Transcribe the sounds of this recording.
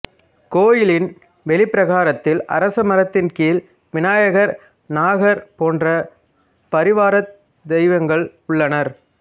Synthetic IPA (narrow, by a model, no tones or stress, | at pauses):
koːjɪlɪn | ʋɛɭɪpːɪɾɐɣaːɾɐt̪ːɪlɐ̰ɾɐsɐmɐɾɐt̪ːɪnkiːl | ʋɪnaːjɐɣɐɾ | naːɣɐɾpoːndrɐ | pɐɾɪʋaːɾɐt | d̪ɛɪʋɐŋɡɐɭʊɭːɐnɐɾ